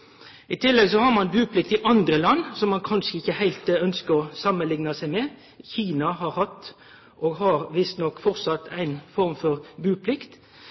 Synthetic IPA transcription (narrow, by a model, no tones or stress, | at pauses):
ɪt̪ʰɪlːɛɡsɔhɑɾmɑnbʉːpʰlɪk̚t̪ɪʔɑnd̪ɾəlɑnːsɔmːɑnkʰɑnʂəɪçːəhæɪlt̪œnskəɾɔsɑmːənlɪŋnɑsæɪmɛ | çiːnɑɦɑɾhɑt̪ː | ʔoːɡɦɑɾʋɪst̪nɔkːfɔʁsɑt̪ːʰæɪnfɔɾmfɔʁbʉːpʰlɪkt̪